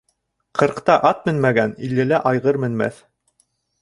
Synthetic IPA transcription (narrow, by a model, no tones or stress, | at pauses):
qʰɤ̆ɾqt̪ɑʔɑt̪̚mɘnmæɡænḭlːɘ̆læʔɑjʁɤɾmɘ̆nmæ̰θ